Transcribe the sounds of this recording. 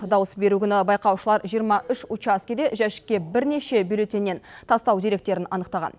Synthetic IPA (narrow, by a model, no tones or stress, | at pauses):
d̪ɑwəsbe̞ɾuɡʲɪnɪbɑjqɑwʃəlˠɑɾʒijəɾmɑʔʏʃut͡ʃaskʲed̪e̞ʒæʃɪ̥kʲːe̞bɪɾne̞ʃe̞byjle̞t̪ːenːe̞nt̪ʰɑst̪ɑwd̪eɾe̞k̚t̪e̞ɾɪnɑ̰nəqt̪ɑʁɑ̰n